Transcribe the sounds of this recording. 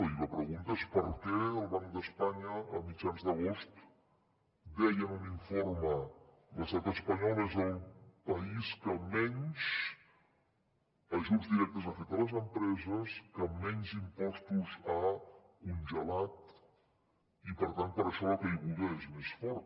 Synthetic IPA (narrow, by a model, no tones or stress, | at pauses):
iβəpɾəɣunt̪əespəɾkɛəlˠβaŋkd̪əspaɲəəmid͡ʒanzd̪əɣ̞ost̪ | d̪ɛjənuniɱformə | ləst̪at̪əspəɲɔlezəlˠpəiskəmɛɲzs | əʒuzd̪iɾɛk̚t̪əzəfɛt̪ələzəmpɾɛzəskəmːɛɲzimpɔst̪uza | kunʲʒəlat̪̚ | ipəɾt̪ant̪̚pəɾəʃɔəkəiβulˠɣeezmesfɔɾt̪